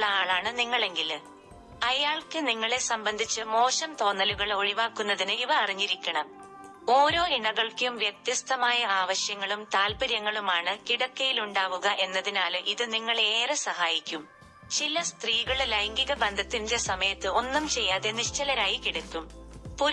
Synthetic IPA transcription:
ɐaːɭaːɳɨniŋːɐɭe̞ŋɡil | ɐjaːɭkɨniŋːɐɭe̞sɐmbɐnd̪ʱit͡ɕːɨmo̞ːɕɐmt̪o̞ːnːɐluɣɐɭo̞ɻiʋaːkːunːɐðinɨiʋɐɐriɲːiɾikʲːɐɳɐm | o̞ːɾo̞ːiɳɐɣɐɭkjumʋjek̚t̪jɐst̪ɐmaːjɐaːʋɐɕjɐŋːɐɭumt̪aːlbɐɾjɐŋːɐɭumaːɳɨkiɽɐkːɐjiluɳɖaːʋuɣɐʔe̞nːɐðinaːlʔiðɨniŋːɐɭeːrɐsɐhaːjikʲːum | t͡ɕilɐst̪riːɣɐɭlɐjŋɡiɣɐbɐnd̪ʱɐt̪ːinde̞sɐmɐjɐt̪ːɨo̞nːumt͡ɕe̞jːaːðeniʂt͡ɕɐlɐɾaːjikiɽɐkːumpu

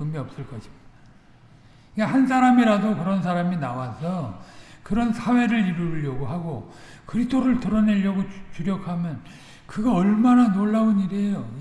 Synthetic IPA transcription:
ɯmiʌp̚s͈ɯɭk͈ʌɕʰi̥mid̥a | ikahansʰaɾamiɾadokɯɾʌns̬ʰaɾaminawasʰʌkɯɾʌnsʰawe̞ɾɯɭiɾuɭːjʌɡoɦaɡokɯɾitʰoɾɯɭtɯɾʌne̞ʎːjʌɡot͡ɕuɾjʌkʰamjʌn | kɯɡaʌɭmananoɭːauniɾiejo

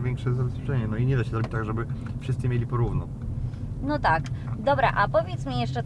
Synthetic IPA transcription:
vʲjɛŋkʂɛzːabɛspʂɛ̥t͡ʂɲɛnɔiɲɛd̪aɕɛzɔbʲit͡ɕt̪aɡʐɛbɘfʂɘst̪sɨmʲjelʲipɔɾuvnɔ̰ | nɔt̪akd̪ɔbɾa̰ʔapɔvʲjet̪smʲijɛʂt͡ʂɛ

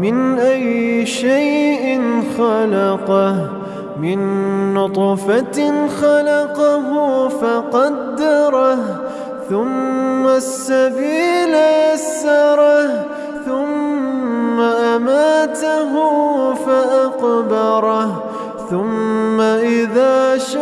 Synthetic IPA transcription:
mɪnʔajːɪʃajʔɪnxɑlɑqɑh | mɪnːʊt̪ˤfaxɑlɑqɑɦʊfɑqɑd̪ːɑɾˤɑh | θʊmːasːabiːlaasːɑɾˤɑh | θʊmː | aʔamaːt̪aɦufaʔaqbɑɾˤɑh | θʊmːaʔɪðaːʃ

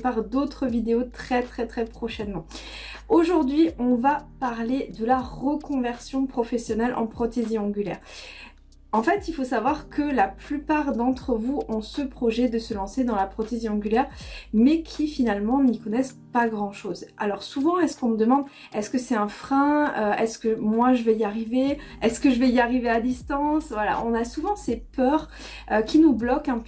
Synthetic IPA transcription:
paʁd̪ot̪χəvid̪eot̪χɛt̪χɛt̪χɛpχɔʃɛnmɑ̃oʒuʁd̪ɥiɔ̃vapaʁled̪əlaʁəkɔ̃vɛʁsjɔ̃pχɔfɛsjɔnɛlʔɑ̰̃pχɔt̪eziɑ̃ɡʲylɛ̰ːʁ | ɑ̃fɛt̪ilfosavwaʁkʰəlaplypaʁd̪ɑ̃t̪χəvuʔɔ̃səpχɔʒɛd̪əsəlɑ̃sed̪ɑ̃lapχɔt̪eziɑ̃ɡʲylɛʁmɛkʲʰifinalmɑ̃nikɔnɛs | paɡʁɑ̃ʃoza̰lɔʁsuvɑ̃ɛskɔ̃məd̪əmɑ̃d̪ | ɛskəsɛt̪ɛ̃fχɛ̃øɛskəmwaʒəvɛiaʁive | ɛskəʒəvɛiaʁivead̪ist̪ɑ̃svwala̰ʔɔ̃nasuvɑ̃sɛpœʁ | økʲinublɔkɛ̃p

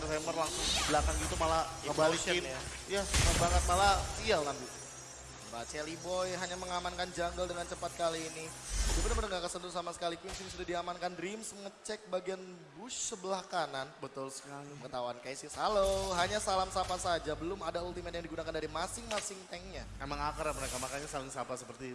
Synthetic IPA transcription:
aɾusaamərlaŋsʊŋdibəlakanɡit̪umalaakəbaikɪnjajatəbaŋət̪̚malasialnampi | bat͡ʃɛlibɔjɦaɲaməŋamankand͡ʒaŋɡaldəŋant͡ʃəpat̪̚kaliːnidibədaməɾəŋɡakəsənd̪usamasə̥kalikuwinsinisudadiamankanrimsməŋət͡ʃɛk̚baɡian | buʃsəbəlahkananbət̪ʊlsə̥kaliməŋət̪awankajasishaloɦaɲasalamsapasad͡ʒabəlʊmadault̪imɛt̪jaŋdiɡunakandaɾimasɪŋmasɪŋt̪ɛŋɲa | emaŋakəɾapənakamakaɲasalɪŋsapasəpərt̪i

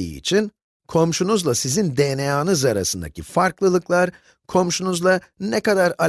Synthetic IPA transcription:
ḭːḭt͡ʃʰin | kʰo̞mʃunuzlˠasizind̪enejaːnɯzaɾa̰sɯnd̪a̰cʰifaɾklˠɯlˠɯklˠaɾ | kʰo̞mʃunuzlˠa | nɛkad̪aɾa

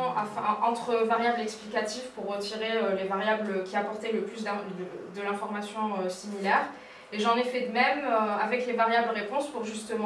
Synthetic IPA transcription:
ɑfɛ̃ɑ̃t̪χəvaʁjablɛksplikat̪ifpuʁːət̪iʁeølevaʁjabləkʲiapɔʁt̪ɛləplys̬d̪ɛ̃əd̪əlɛ̃fɔʁmasjɔ̃øsimilɛːʁ | eʒɑ̃nɛfɛd̪əmɛmøavɛklevaʁjabləʁepɔ̃spuʁʒyst̪əmɑ̃

